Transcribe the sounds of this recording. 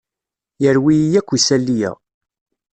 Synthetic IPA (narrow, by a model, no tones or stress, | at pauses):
jəɾwijijækʷːisælːijæ̰